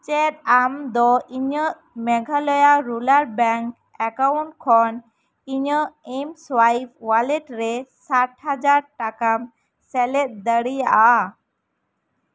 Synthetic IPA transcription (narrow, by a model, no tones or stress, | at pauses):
t͡ʃɛt̪̚amd̪ɔʔiɲəʔ | mɛɡʱalɔjaɾulaɾbɛŋk | ɛkauɳʈ̚kʰɔn | iɲəʔɛmswajp̚ʰwalɛʈɾɛsaʈhad͡ʒaɾʈakam | sɛlɛt̪̚ˀd̪əɽijaʔa